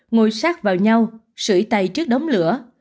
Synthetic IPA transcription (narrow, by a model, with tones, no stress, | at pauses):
ŋo˧˩jsaː˦˥k̚vaː˨˩wɲa˧w | sɨ̰˧˩jt̪a˨˩jt͡ɕɨ˦˥ək̚ɗə˨˦wŋ͡mlɨ̰˧˩ə